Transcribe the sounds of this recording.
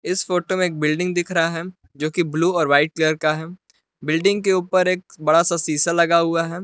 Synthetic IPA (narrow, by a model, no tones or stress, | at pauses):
ɪsfoːʈomẽːk̚bɪlɖɪ̃ŋɡd̪ɪkʰɾɐɦaɦɛ | d͡ʒoːkibluːɔːɾʋaːɪʈ̚kliəɾkaɦɛː | bɪlɖɪ̃ŋɡkeuːpəɾeːk̚bɐɽasasiːsalɐɡaɦʊaɦɛː